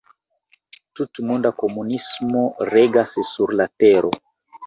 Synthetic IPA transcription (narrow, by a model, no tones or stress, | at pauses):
tutmundakomunismoreɡassuɾlateɾʔo